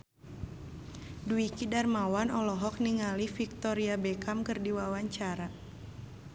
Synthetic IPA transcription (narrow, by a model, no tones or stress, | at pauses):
duikidarmawanɔlɔɦɔk̚niŋalifik̚t̪ɔɾiabɛkamkɨrdiwawaɲt͡ʃaɾa